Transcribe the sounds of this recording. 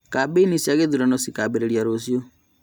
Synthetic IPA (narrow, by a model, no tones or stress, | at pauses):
kabenisiaɣeðuɾanɔsikabeɾeɾjaɾosjo